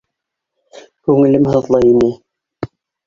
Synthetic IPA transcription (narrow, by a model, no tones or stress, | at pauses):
kʉŋɘ̆lɘmhɤ̆ðlˠɑjini